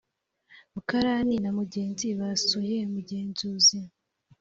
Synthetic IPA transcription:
mukaɾaːninamuɟe̞ːnziβasujemuɟe̞ːnzuːzi

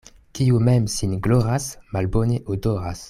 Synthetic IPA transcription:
kiumɛmsinɡloʁasmalboneʔodoʁas

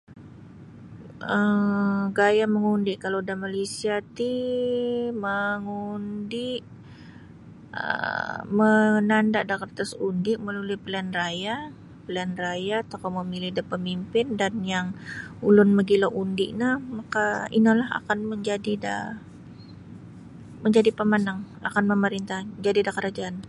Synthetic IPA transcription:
ə | ɡajaməŋundɪʔkalawdamalesiat̪i | məŋundɪʔ | ə̰mənandaʔdakərt̪asundɪʔməlulɪpəlanraja | pəlanrajat̪akoməmilɪhdəpəmimpɪndanjaŋulʊnməɡiloʔundɪʔnahmakaḭnəlaɦa̰kanməɲd͡ʒadida | məɲd͡ʒadipəmanaŋ | a̰kanməməɾint̪ahd͡ʒadidakəɾad͡ʒaan

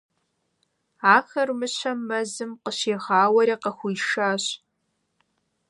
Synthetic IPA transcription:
aːxɐrmɨɕʰɐmːɐzɨmqəɕeːʁaːwɐɾiːqɐxʷujʃaːɕ

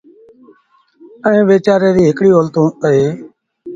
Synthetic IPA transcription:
əẽːʋeːt͡ʃaːɾeːd̪iːɦɪkɽiːəlt̪ũːəɦeː

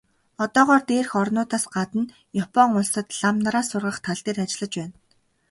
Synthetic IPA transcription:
ɔt̪ɔːʁɔːrt̪eːrxɔrnʊːt̪aːsɢat̪ə̆n | jɔpʰɔŋʊɮsə̆t̪ɮamnaɾaːsʊrʁə̆χt̪ʰaɮt̪eːrat͡ɕɪ̆ɮə̆t͡ɕpæːn

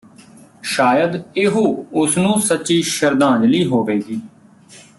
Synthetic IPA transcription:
ʃaːjəd̪ɪɦoːʊsnũːsətːʃiːʃəɾd̪ãːd͡ʒliːɦoːʋeːɡiː

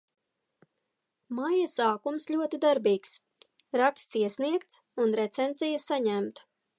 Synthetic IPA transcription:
majasaːkumslʲuɔt̪id̪aɾbiːks | ɾakst̪siɛsniɛkt̪sunɾɛt̪sɛnzijasaɲæmt̪

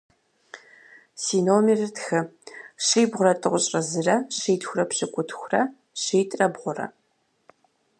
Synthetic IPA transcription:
siːnoːmirɨtxɨɕijbʁʷʊrɐtʼɨʁʷʊɕʼrɐzɨrɐɕeːtʰxʷʊrɐpɕɨkʷʼʊtʰxʷʊrɐ | ɕeːtʼrɐbʁʷʊrɐ̰

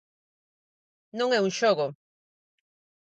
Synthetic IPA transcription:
nõŋeuŋʃoɣo

